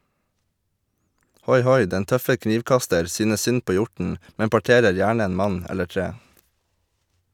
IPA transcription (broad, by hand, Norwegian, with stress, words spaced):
ˈhɔʏˌhɔʏ ˈdɛn ˈtœfə ˈkniːʋˌkɑstəɾ ˈsyːnəs ˈsʏn ˈpoː ˈjʊʈn̩ ˈmɛm pɑˈʈeːɾəɾ ˈjæːɳə ˈeːn ˈmɑɲ ˈɛlə ˈʈɹeː